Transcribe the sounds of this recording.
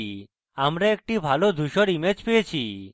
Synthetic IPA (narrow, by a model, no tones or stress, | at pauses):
amɾeːk̚ʈibʱalod̪ʱuʃɔɾimed͡ʒpeet͡ʃʰi